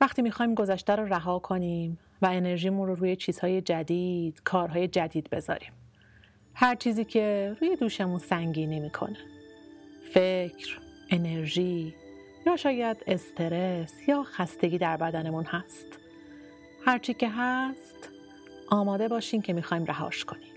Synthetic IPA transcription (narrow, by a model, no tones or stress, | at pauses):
væxt̪iːmiːxɒːjiːmɡo̞zæʃt̪æɾoːɾæɦɒːkʰo̞niːm | væene̞ɾʒiːmunɾoɾuːjet͡ʃʰiːz̥hɒːje̞d͡ʒæd̪iːd̪̥kʰɒːɾɦɒːje̞d͡ʒæd̪iːd̪be̞zɒ̰ːɾiːm | hæɾt͡ʃʰiːziːcʰe̞ɾuːje̞d̪uːʃemunsæŋɟiːnimiːkʰo̞̰ne | fecʰɾʔe̞ne̞ɾʒiː | jɒːʃɒːjæd̪e̞st̪ʰeɾesjɒːxæst̪e̞ɡɟiːd̪æɾbæd̪æne̞munhæst̪ | hæɾt͡ʃʰiːcʰe̞ɦæst̪ | ʔɒːmɒːd̪e̞bɒːʃiːmcʰe̞miːxɒːjmrʔæɦɒ̰ːʃkʰo̞niːm